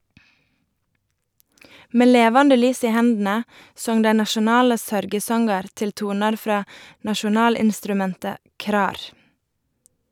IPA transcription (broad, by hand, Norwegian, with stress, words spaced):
ˈmeː ˈleːʋɑndə ˈlyːs ˈiː ˈhɛndn̩ə ˈsɔŋ ˈdæɪ nɑʃʊˈnɑːlə ˈsœɾɡəˌsɔŋɡɑɾ ˈtɪl ˈtuːnɑɾ ˈfɾɑː nɑʃʊˈnɑːlɪnstɾʉˌmɛntə ˈkɾɑːɾ